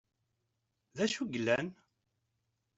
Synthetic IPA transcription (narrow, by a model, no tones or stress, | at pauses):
ðæʃuɡəlːæn